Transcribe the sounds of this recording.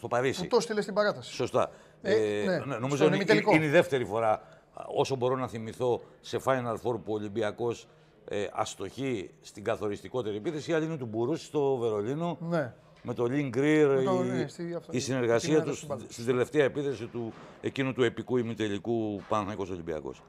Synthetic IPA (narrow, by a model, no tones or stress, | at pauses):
st̪o̞pɐɾisit̪ost̪ilest̪ibɐɾɐt̪ɐsso̞st̪ɐ̰ | neno̞mizolioineiðe̞ft̪e̞ɾifo̞ɾɐ | o̞so̞bo̞ɾo̞nɐθimiθo̞ | se̞fɐjnɐɾfo̞ɾpuolimbiɐko̞s | eɐ̰st̪o̞çist̪iɡɐθo̞ɾist̪iko̞t̪e̞ɾie̞piθe̞siɐlinet̪ubuɾusi̥st̪o̞ve̞ɾo̞lino̞n | me̞t̪o̞ʎiŋɡɾiɾ | isine̞ɾɣɐsiɐt̪usst̪ind̪e̞le̞ft̪eɐepiθe̞sit̪ue̞cinut̪ue̞pikuimut̪e̞likupɐnθɐniko̞so̞limbiɐ̰ko̞̰s